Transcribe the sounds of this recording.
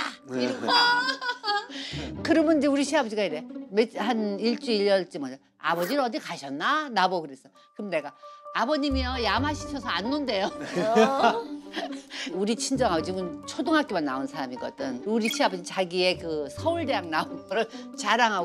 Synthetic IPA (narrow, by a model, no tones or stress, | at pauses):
a | kɯɾʌmjʌnid͡ʑeuɾiɕʰiabʌd͡ʑiɡaiɾemehaniɭt͡ɕ͈uiʎːʌɭt͡ɕ͈imʌɲa | a̰bʌd͡ʑinɯʌdikaɕʰʌnːanabokɯɾe̞s͈ʌ | kɯmne̞ɡaːbʌɲimiʌjamaɕʰi̥t͡ɕʰʌsʰʌanːunde̞jo | uɾit͡ɕʰind͡ʑʌŋɦaɡod͡ʑiɡɯnt͡ɕʰodoŋɦak͈imanːaonsʰaɾamiɡʌ̰d͈ɯnuɾiɕʰiabʌd͡ʑit͡ɕaɡie̞kɯsʰʌuɭɾjaŋnaonmɯɾɯɭ | t͡ɕaɾaŋɦa